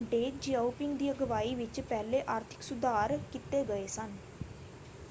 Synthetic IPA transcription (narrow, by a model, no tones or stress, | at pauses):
ɖeːd͡ʒiaːupɪŋɡd̪iːəɡəʋaːiːʋɪt͡ʃpɛːleːʔaːɾt̪ʰɪ̥ksʊd̪aːɾkɪt̪eːɡəeːsən